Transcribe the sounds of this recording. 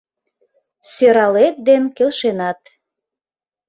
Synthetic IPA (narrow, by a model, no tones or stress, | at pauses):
søɾɑlet̪̚d̪enkelʃenɑt̪